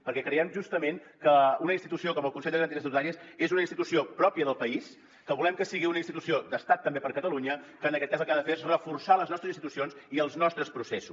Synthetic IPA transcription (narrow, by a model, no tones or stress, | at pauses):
pəɾkɛkɾəɛmʒust̪əmeŋ | kəunəinst̪it̪usiokɔməlˠkunsɛʎd̪əɣɾənt̪iɾəs̬iuðaɲesezunəinst̪it̪usiopɾɔpjəðəlˠpəis | kəβulɛmkəsiɣ̞iunəinst̪it̪usiod̪əst̪at̪ːəmbepəɾkət̪əluɲəkəːnəkɛt̪̚kazəlˠkaðəfeɾezrəfuɾsaləznɔst̪əzinsit̪usionziəlˠznɔst̪ɾəspɾusesṵs